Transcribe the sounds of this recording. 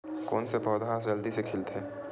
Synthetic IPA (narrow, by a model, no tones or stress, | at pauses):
koːnsepɔːd̪ʱad͡ʒəld̪isekʰɪlt̪ʰɦɛː